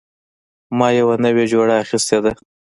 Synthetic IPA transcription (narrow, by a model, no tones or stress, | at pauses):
mɑjawanəwed͡ʒoɽaːxist̪ed̪a